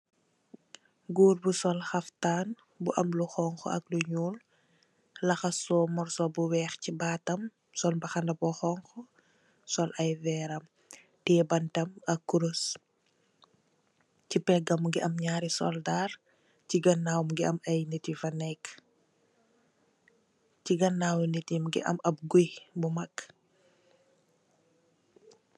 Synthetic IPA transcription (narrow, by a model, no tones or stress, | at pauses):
ɡuːrbusɔlxɐftaːn | buʔɐmluxɔŋxɔ̰ɐ̰k̚luɲuːl | lɐxɐsɔːmɔrsɔbuwɛːxcibaːtɐm | sɔlbɐxɐndɐbɔxɔŋxɔ | sɔlʔɐjvɛːɾɐm | tɛːbɐntɐmɐkːuɾos | cipɛɡɐmɡiʔɐmɲaːɾisɔ̰ldaːr | ciɡɐnːaːwmɡiɐmɐjnetifɐnɛkː | ciɡɐnːaːwnetimɡḭʔɐ̰mɐp̚ɡujbumɐkː